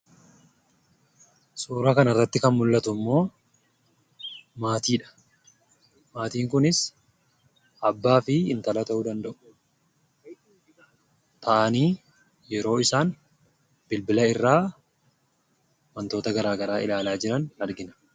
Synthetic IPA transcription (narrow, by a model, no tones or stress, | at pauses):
sʼuːɾɐkɐnɐrːɐt̪ːɪkɐnmʊlːɐt̪ʊmːo̞ː | maːt̪iːᶑɐ̥ | maːt̪iːŋkʊnɪs | ʔɐbːaːfɪɪnt̪ɐlɐt̪ɐʔuːd̪ɐnd̪ɐʔʊ̥ | t̪ʰɐʔɐniː | jɛɾo̞ːɪsaːn | b̥ɪlbɪlɐɪrːaː | mɐnt̪o̞ːt̪ɐɡɐɾaːɡɐɾaːʔɪlaːlaːd͡ʒɪɾɐnɐɾɡɪnɐ̥